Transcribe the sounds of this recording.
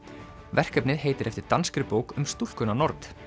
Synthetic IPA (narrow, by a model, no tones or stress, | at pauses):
vɛr̥kœpnɪðɦeːjt̪ɪɾʔɛft̪ɪɾt̪anskɾɪpoːwkʏmst̪uhkʏnanɔɾt̪